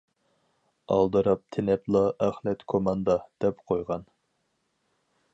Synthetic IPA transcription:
ɑ̰lˠd̪ɨɾɑp̚t̪ʰɪnɛplˠɑʔæχlɛt̪kʰomɑnd̪ɑd̪̥ɛpqʰojʁɑn

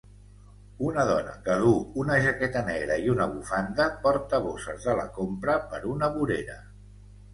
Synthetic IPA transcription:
unəðɔnə̰kəðuunəʒəkɛt̪ənɛɣɾəiunəβ̞ufand̪əpɔɾt̪əβ̞osəzðələ̰kompɾəpəɾunəβuɾeɾə

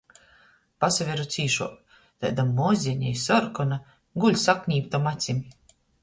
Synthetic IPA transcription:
pasavʲeɾut̪siːʃuɔ | t̪a̰jd̪amːɔːzʲiɛɲʲɛjsɔɾkɔna | ɡulʲsakɲʲiːpt̪amat̪sʲimʲ

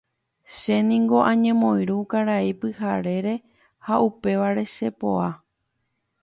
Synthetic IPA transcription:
ʃe̞nĩŋɡo̞ʔãɲẽ̞mõ̞j̃ɾukaɾaipɨhaɾe̞ɾe̞ | haupe̞ʋaɾe̞ʃe̞po̞̰a

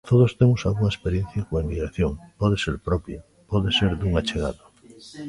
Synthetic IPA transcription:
t̪oð̞ost̪emosalɣuŋɐespeɾjẽn̟θjakoaimiɣɾaθjoŋpɔðeseɾpɾɔpj | pɔðeseɾd̪uŋat͡ʃeɣa̰ðo

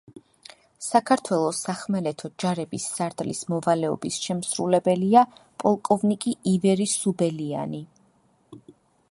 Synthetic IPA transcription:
sakʰaɾt̪ʰwɛlˠɔsaχmɛlɛt̪ʰɔd͡ʒaɾɛbisːaɾt̪ʼlismɔvalɛɔ̰bisʃɛmsɾṵlɛbɛliapʼɔlˠkʼɔvnikʼiivɛɾisubɛlia̰ni

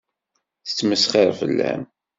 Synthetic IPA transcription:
θə̥t͡sːməsχeɾˤfə̰lːæ̰m

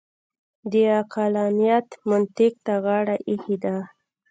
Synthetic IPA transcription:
d̪əaqʰalɑnijat̪mʊnt̪ɪk̚t̪aɣɑɽaʔihid̪a

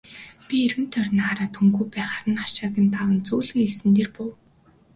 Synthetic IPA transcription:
pʲierɣɘ̆nt̪ʰœrʲnaːɾaːt̪ʰɵŋɡuːjpæːχaɾə̆nχaʃaːɣʲə̆nt̪aʁə̆nt͡suːɮɘ̆ŋesɘ̆nt̪eːrpʊw

